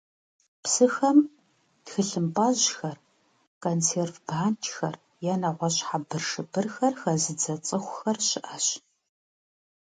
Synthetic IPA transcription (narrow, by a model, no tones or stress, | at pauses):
psɨxɐm | txɨɬɨmpʼaʑxɐr | kʰʼont͡sʰeːrvbaːnt͡ʃʰʼxɐr | jɛnɐʁʷɔɕħabɨrʂɨbɨrxɐrxɐzɨd͡zɐt͡sʼɨχʷxɐrɕɪʔɐɕ